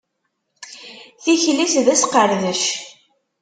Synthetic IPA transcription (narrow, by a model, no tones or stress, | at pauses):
θiçlisðæsqəɾðəʃ